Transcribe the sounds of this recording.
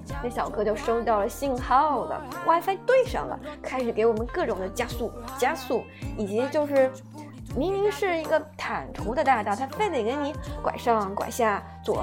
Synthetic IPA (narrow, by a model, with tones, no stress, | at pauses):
na˥˩ɕjɑ˨˩ʊkʰɤ˥t͡ɕjo˥˧ʊʂo˥ʊt̪̬ɑ˥˩ʊlə˩ɕi˥˧ŋxɑ˥˧˩ʊd̪ə̰˩wʔa˥˧˩fa˥ɪt̪we˥˩ɪʂɑ̰˥˩ŋlə̰˩kʰa˥ɪʂɻ̩˨˩ke˧˥ɪwɔ˨˩mə˦nkɤ˥˩ʈ͡ʂʊ˨˩ŋd̪ə˦t͡ɕja˥su˥˩t͡ɕja˥su˥˩ | i˨˩t͡ɕi˧˥t͡ɕjo˥˧ʊʂɻ̩˥˩ | mi˧˥ŋli˧˥ŋʂɻ̩˥˩i˧˥ɡə˧t̪ʰa˨˩nt̪ʰu˧˥d̪ə˧t̪a˥˧t̪ɑ˥˧˩ʊt̪ʰa˥fe˥˩ɪd̪e˨˩ɪkɪni˧˥kwa̰˨˩ɪʂɑ˥˧ŋkwa̰˨˩ɪɕja˥˩ | t͡swɔ̰˨˩